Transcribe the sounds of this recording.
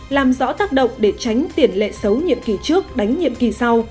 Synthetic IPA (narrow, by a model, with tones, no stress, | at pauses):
laː˨˩mzɔ̰˧˥t̪aː˦˥k̚ɗə̰˧˨wŋ͡mɗe˧˩t͡ɕa˨˦jŋ̟t̪i˧˩ənlḛ˧˨sə˨˦wɲḭ˧˨əmki˨˩t͡ɕɨ˦˥ək̚ɗa˨˦jŋ̟ɲḭ˧˨əmki˨˩sa˧w